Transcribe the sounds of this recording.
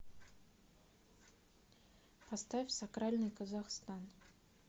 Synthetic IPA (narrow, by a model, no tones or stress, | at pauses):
past̪afʲsakɾalʲnɨjkəzaxst̪an